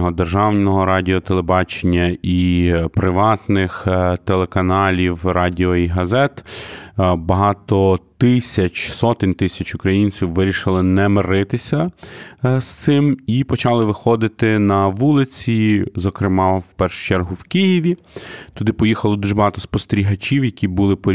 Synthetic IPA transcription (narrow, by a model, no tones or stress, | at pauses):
ɦɔd̪erʒɑwnʲɔɦɔɾɑdʲɪɔt̪elˠebɑt͡ʃenʲːɐipɾɪʋɑt̪nɪxt̪elˠekɐnɑlʲiwrɑdʲiɔiɦɐzɛt̪ | bɐɦɑt̪ɔt̪ɪsʲɐt͡ʃsɔt̪ɪnʲt̪ɪsʲɐt͡ʃʊkɾɐjinʲt͡sʲiwʋɪɾʲiʃɪlˠɪnɛmɪɾɪt̪ɪsʲɐ | st̪sɪmipɔt͡ʃɑlˠɪʋɪxɔd̪ɪt̪ɪnɐʋulˠɪt͡sʲizɔkɾɪmɑwpɛrʃʊ̥t͡ʃɛrɦʊwkijiʋʲi | t̪ʊd̪ɪpɔjixɐlˠɔd̪uʒbɐɦɑt̪ɔspɔst̪eɾʲiɦɐt͡ʃʲiwjɐkʲibulˠɪpɔ